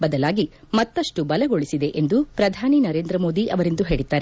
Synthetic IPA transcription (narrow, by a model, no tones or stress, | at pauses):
bɐd̪ɐlaːɡi | mɐt̪ːɐʂʈubɐlɐɡoɭisid̪e̞ʔend̪upɾɐd̪ʱaːninɐɾe̞ːnd̪ɾɐmo̞ːd̪iʔɐʋɐɾind̪uɦe̞ːɭit̪ːaːɾe